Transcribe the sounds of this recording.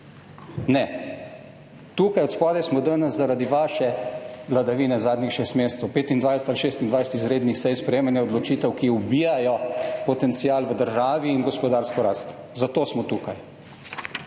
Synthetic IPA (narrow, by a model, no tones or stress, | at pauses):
nɛ | t̪uːkajɔt̪spaːd̪ɛsmɔd̪ənəszaɾad̪iʋaːʃɛʋlad̪aʋiːnɛzaːd̪nʲixʃeːst̪meːsɛ̥t̪səwpeːt̪ind̪ʋajsɛ̥t̪alʃeːst̪ind̪ʋajsɛt̪izɾeːd̪nixsɛjspɾɛjeːmanjɛɔd̪lɔt͡ʃiːt̪ɛwkiubiːjajɔpɔt̪ɛnt̪sijaːlʋəd̪əɾʒaːʋiːnɡɔspɔd̪aːɾskɔɾaːst̪ | zat̪oːsmɔt̪ukaj